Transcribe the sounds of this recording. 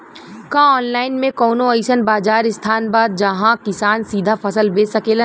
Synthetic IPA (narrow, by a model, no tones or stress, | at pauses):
kãɔːnlaːɪnmẽkɔːnõɐɪʃənbaːd͡ʒaːɾɪst̪ʰaːnbaːd̪̚d͡ʒɐɦãkɪsaːnsiːd̪ʱafʰɐsəlbeːsɐkeːlə